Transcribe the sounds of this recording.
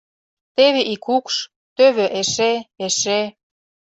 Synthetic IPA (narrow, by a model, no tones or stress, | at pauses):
t̪eβeʔikʰukʃ | t̪øβeʔeʃeeʃe